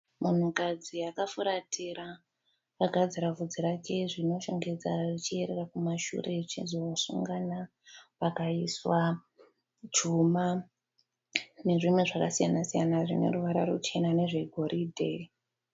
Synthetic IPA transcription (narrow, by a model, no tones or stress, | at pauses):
mun̤ukad͡ziakafuɾatʰiɾa | paɡʱad͡ziɾavʱud͡ziɾake̞ʐino̞ʃoŋɡe̞d͡zaʐit͡ʃieɾerakumaʃṵɾe̞t͡ʃizosṵŋɡana | pakaiswa | d͡ʒuma | ne̞ʐimwe̞ʐakasijanasijanaʐine̞̰ɾuʋaɾa̰ɾṵt͡ʃe̞nane̞ʐe̞ɡʱo̞ɾidʱe̞̰